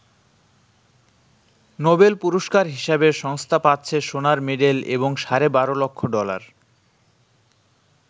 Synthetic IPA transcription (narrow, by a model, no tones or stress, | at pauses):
nobelpuɾoʃkaɾɦiʃabeʃɔŋst̪ʰapatːɕʰeʃonaɾmeɖelḛboŋʃaɾebaɾolokʰːoɖɔla̰ɾ